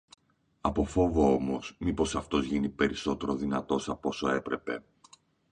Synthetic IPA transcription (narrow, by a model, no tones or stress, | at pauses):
ɐpo̞fo̞voo̞mo̞smipo̞sɐft̪o̞zʝinipe̞ɾiso̞t̪e̞ɾo̞ðinɐt̪o̞sɐpo̞soe̞pɾe̞pe̞̰